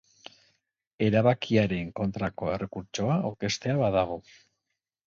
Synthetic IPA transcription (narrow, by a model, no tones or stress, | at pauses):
e̞ɾaβakiaɾe̞ŋko̞nt̪ɾako̞e̞re̞kuɾt͡ʃo̞aoɾke̞st̪e̞aβaðaɣ̞o̞